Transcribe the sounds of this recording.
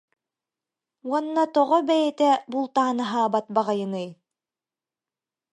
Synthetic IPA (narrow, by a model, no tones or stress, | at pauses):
wɑnːɑt̪ɔʁobæjæt̪æbulˠt̪aːnɤɦɑbɑt̪̚bɑʁɑjɤ̆nɤj